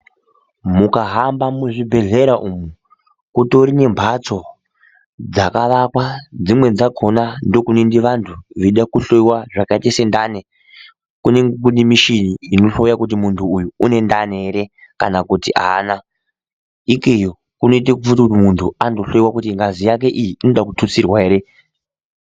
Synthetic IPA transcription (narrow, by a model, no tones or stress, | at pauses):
mukaɦambamuʐibʱe̞ɮe̞ɾaʔumu | kuto̞ɾine̞mbʱat͡so̞ | d͡zakaʋakwad͡zimwe̞d͡zaɡʰʱo̞nando̞kunindiʋantʰuʋeiɗakuɬoiwaʐakaitesendane | kuneŋɡkunimiʃiniinoɬo̞jakut̬imuntʰuːjuune̞ndane̞ɾe | ka̰nakutiʔa̰na | ikejo | kuno̞it̬ekufutakutimuntʰuando̞ɬo̞jiwakutiŋɡazijak̬e̞ʔijiʔinoɗakutʰut͡sirwaeɾe